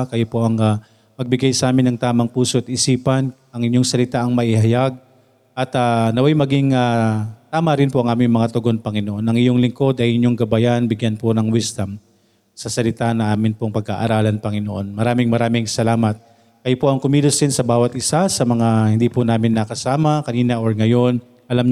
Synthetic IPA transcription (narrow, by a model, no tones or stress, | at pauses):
kɐjopo̞ʔɐŋa | mɐɡ̚bɪɡajsɐʔaːmɪnɐŋt̪aːmɐŋpuːsoʔɐt̪̚ʔɪsiːpɐn | ʔɐŋɪɲːoŋsɐlɪt̪aʔɐŋmɐʔɪhɐjaɡ̚ | ʔɐt̪anɐwajmɐɡɪŋat̪aːmɐɾɪnpoʔɐŋʔaːmɪŋmɐŋat̪oɡo̞npɐŋɪnoʔo̞nʔɐŋɪjoŋlɪŋko̞d̪ɐjɪɲoŋɡɐbajanbɪɡjanponɐŋwɪst̪ɐm | sɐsɐlɪt̪anɐŋʔaːmɪnpoŋpɐɡ̚a̰ʔɐɾaːlɐnpɐŋɪno̞ʔo̞̰nmɐɾaːmɪŋmɐɾaːmɪŋsɐlaːmɐt̪̚ | kɐjopoʔɐŋkʊmiːlosd̪ɪnsɐbaːwɐt̪ʔɪsasɐmɐŋahɪnd̪iːpʊnaːmɪnːɐkɐsaːmɐkɐniːnɐʔoɹŋɐjo̞n | ʔɐlamɲ